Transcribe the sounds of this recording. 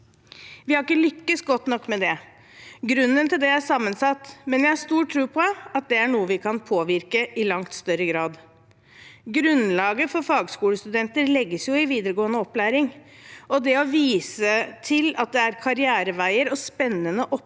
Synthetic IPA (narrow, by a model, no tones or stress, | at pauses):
ʋɪhɑɾɪkːəlʏkːəsɡɔt̪ːnɔkːmɛd̪ɛ | ɡɾʉnːənt̪ɪld̪ɛæʂɑmːənsɑt̪ːmɛnjæɪhɑʂt̪uːʈʰːɾʉːpʰɔɑt̪̚d̪ɛæɳuːəʋɪkʰɑnpʰoːʋɪɾkəʔɪlɑŋt̪st̪œɾəɡɾɑːd̪ | ɡɾʉnlɑːɡəfɔɾfɑːɡskuːləst̪ʉd̪ɛnt̪əɾlɛɡːəsjʊɪʋiːd̪əɾəɡoːənəɔpːlæːɾɪŋ | ɔd̪ɛɔʋiːsət̪ʰɪlɑt̪̚d̪ɛæɾkʰɑɾɪæːɾəʋæɪəɾɔspɛnːənəʔɔ